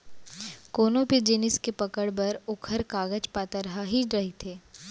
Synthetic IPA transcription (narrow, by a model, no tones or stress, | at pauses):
koːnõped͡ʒɪnɪskepɐkəɽbɐɾʊkʰəɾkaːɡət͡ʃpaːt̪aɾɐɦaɦiɾɐɦit̪ʰeː